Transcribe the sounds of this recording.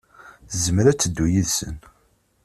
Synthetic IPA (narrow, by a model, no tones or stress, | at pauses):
zəmɾæt͡sːəd̪ːujiðsə̰n